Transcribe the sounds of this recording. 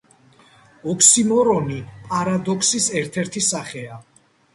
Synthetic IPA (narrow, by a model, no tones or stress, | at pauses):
ɔkʰsimɔɾɔnipʼaɾad̪ɔkʰsisɛɾt̪ʰɛɾt̪ʰisaχɛa